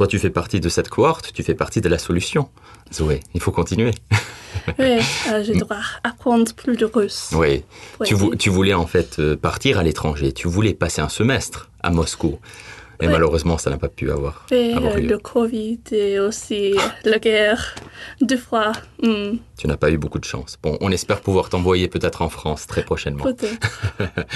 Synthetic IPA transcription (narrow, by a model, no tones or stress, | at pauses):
t̪wat̪yfɛpaʁt̪id̪əsɛt̪kʰwaʁt̪t̪ːyfɛpaʁt̪id̪əlasɔlysjɔ̃ | weilfokɔ̃t̪inɥe | wiaʒed̪ʁwaapχɑ̃d̪ʁəplyd̪əʁyswit̪yvut̪yvulɛɑ̃fɛt̪ʰøpaʁt̪iʁalet̪χɑ̃ʒet̪ʰyvulɛpaseɛ̃səmɛst̪χ | a̰mɔsku | emaløʁøzmɑ̃sanapapya̰vwa̰ʁwiavaʁləkʰɔvid̪eosilaɡɛʁd̪əfwam̩t̪ynapaybokud̪əʃɑ̰̃sb̥ɔ̰̃ʔɔ̰̃nɛspɛʁpuvwaʁt̪ɑ̃vwajepøt̪ɛt̪χɑ̃fχɑ̃st̪χɛpχɔʃɛnmɑ̰̃pøt̪ɛt̪